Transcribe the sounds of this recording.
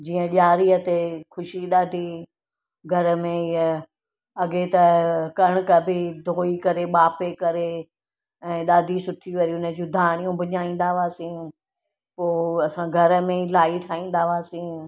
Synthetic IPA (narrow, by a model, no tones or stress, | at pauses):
d͡ʑiːə̃ɗaːɾiət̪ekʊʃiɗ̪aːd̪ʱi | ɡʱɐɾəmẽə | ɐɠet̪ɐkɐɽ̃ʊ̆kɐbʱɪd̪ʱoːikɐɾeɓaːpekɐɾe | ɛ̃ːɗaːd̪ʱisʊʈʰiʋɐɾiʊnəd͡ʑũd̪ʱaːɽ̃ijũbʱɐɲaːĩːn̆d̪aʋaːsĩː | poːɐsãɡʱɐɾəmẽilaːit̪ʰaːĩːn̆d̪aʋaːsĩː